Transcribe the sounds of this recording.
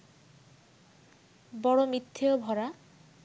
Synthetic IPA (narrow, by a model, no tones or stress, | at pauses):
bɔɽomit̪ʰːiobʱɔɾa